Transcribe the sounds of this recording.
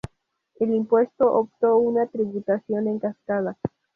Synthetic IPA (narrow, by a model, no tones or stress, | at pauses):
elimpwe̞st̪o̞ʔop̚t̪o̞unat̪ɾiβut̪asjo̞ne̞ŋkaskaða